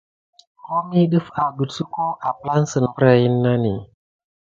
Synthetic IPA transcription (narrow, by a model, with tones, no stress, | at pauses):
ko˦mi˦ɗɨ˦fa˨ɡu˨tsu˦ko˦ʔa˨pla˦nsə˨n˨bɾa˨ji˦nːa˦ni˨